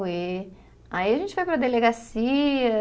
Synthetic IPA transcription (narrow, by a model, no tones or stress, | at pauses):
e | aiɐʒẽnt͡ʃɪvajpɾɐd̪eleɡasiɐ